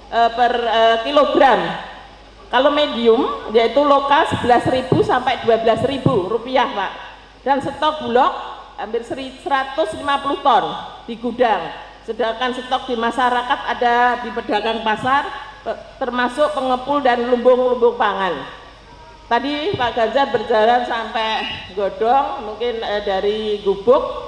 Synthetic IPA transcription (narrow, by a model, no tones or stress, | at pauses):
ʔəpərəkiloɡɾam | kalomediʊmjait̪ulokasəb̥əlasɾibusampajd̥uwabəlasriburupiahpa̰ʔ | d̥ansət̪ɔk̚bulɔk̚ambɪrsəɾisəɾat̪ʊslimapuluht̪ɔnd̥iɡudaŋ | sədakansət̪ɔk̚d̥i̤maʃaɾakat̪adadipədakanpasart̪ərmasʊʔpəŋəpʊldanlumbʊŋlumbʊŋpaŋan | t̪adipaʔɡ̥ard͡ʒabərd͡ʒaɾansampɛʔɡod̥ɔŋmuŋkɪndaɾiɡub̥ʊk̚